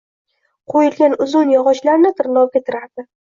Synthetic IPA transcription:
qʰojɪlɡʲanʊzʊnjɒʁɒʃlaɾnɪt̪ʰɪɾlˠɒw̚ɡʲat̪ʰɪɾaɾd̪ɪ

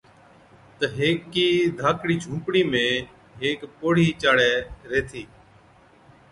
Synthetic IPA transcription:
t̪əɦeːkːiːd̪ʱaːkɽiːd͡ʒʱũːpɽiːmẽː | ɦeːkpoːɽ̤iːt͡ʃaːɽɛːɾeːt̪ʰiː

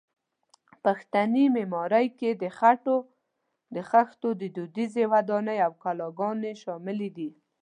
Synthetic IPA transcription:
paxt̪animemɑɾəjked̪əxaʈo | d̪əxaxt̪od̪əd̪ud̪izewad̪ɑnəjawkalɑɡɑneʃɑmɪlid̪i

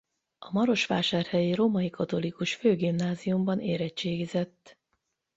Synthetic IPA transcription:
ɒmɒɾo̞ʃʋaːʃaːrhɛjiɾo̞mɒikɒt̪o̞likuʃføːɡimnaːzijumbɒnʔeːɾɛt͡ʃːeːɡizɛt̪ː

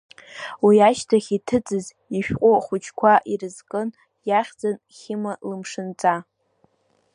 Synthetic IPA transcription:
wiaʃtʰaχʲitʰɨt͡sʼɨz | iʃᶣqʷʼʊχʷʊt͡ʃʰkʷʰaʔirɨzkʼɨn | jaχʲd͡zan | χʲɪmalɨmʂɨnt͡sʼa

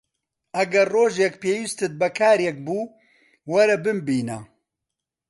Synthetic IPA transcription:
ɐɡɐrroːʒekpeːwist̪ɨt̪̚bɐkʰaːɾjek̚buː | wɐɾɐbɨmbiːnɐ

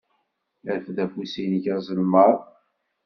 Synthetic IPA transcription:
æɾfðæfusinʝæzˤəlməɾˤ

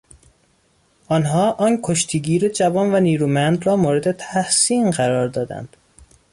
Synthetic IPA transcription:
ʔɒːnɦɒːʔɒːnkʰoʃt̪ʰiːɡiːɾed͡ʒævɒːnvæniːɾuːmænd̪ɾɒːmoːɾe̞d̪e̞t̪ʰæhsiːnɢæɾɒːɾd̪ɒːd̪æ̰nd̪̥

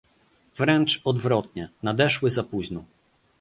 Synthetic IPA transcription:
vɾɛnt͡ʂɔd̪vɾɔt̪̚ɲɛnad̪ɛʂwɘzapuʑnɔ

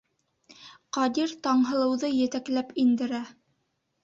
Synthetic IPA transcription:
qɑd̪iɾt̪ɑɴɦɤ̆lˠɤ̆wðɤjɘ̆t̪æklæpind̪ɘ̆ɾæ

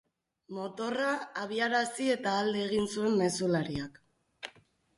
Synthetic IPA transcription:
mo̞t̪o̞raːβiaɾasie̞t̪aːld̪eːɣ̞insue̞mːe̞sulaɾiak

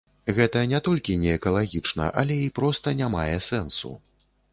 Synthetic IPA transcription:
ɣɛt̪ɐnʲɛt̪ɔlʲkʲinʲɛːkɐlˠaɣʲit͡ʂnɐ̰ʔalʲɛipɾɔst̪ɐnʲamajɛsɛnsṵ

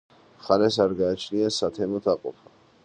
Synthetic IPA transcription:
χanɛsaɾɡaːt͡ʃʰniasat̪ʰɛmɔt̪ʰaqʼɔ̰pʰḁ

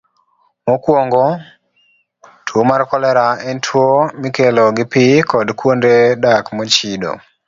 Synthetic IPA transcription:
mokwoŋɡɔ | tʰwomarkɔlɛɾaɛntʰwomikelɔɡɪpɪkɔdkwondedakmɔt͡ʃido̰

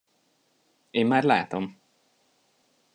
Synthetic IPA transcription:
eːnmaːrla̰ːt̪om

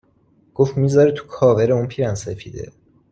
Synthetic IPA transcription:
ɡ̥oft̪miːzɒɾet̪ʰu̥kʰɒːveɾeunpʰiːɾænsefḭːd̪ḛ

